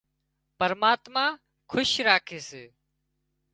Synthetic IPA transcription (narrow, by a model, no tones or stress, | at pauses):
pəɾmaːt̪maː | kʰʊʃɾaːkʰeːseː